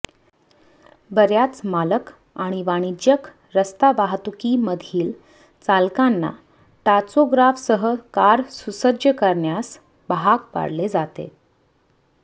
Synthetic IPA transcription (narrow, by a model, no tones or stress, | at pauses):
bəɾjat͡smalək | aɽ̃iʋaɽ̃id͡ʑjək | ɾəst̪aʋaɦt̪ukiməd̪ʱiːl | t͡salkanːa̰ | t̪at͡soɡɾafsəɦəkaɾsusəd͡ʑjəkəɾɳjas | bəɦakpa̰ɽled͡zat̪ḛ